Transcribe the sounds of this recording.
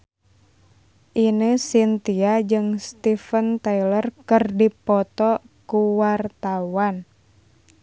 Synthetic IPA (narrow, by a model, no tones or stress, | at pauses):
ʔinəsint̪iad͡ʒɨŋst̪ifənt̪ailərkərdipɔt̪ɔ | kuwart̪awan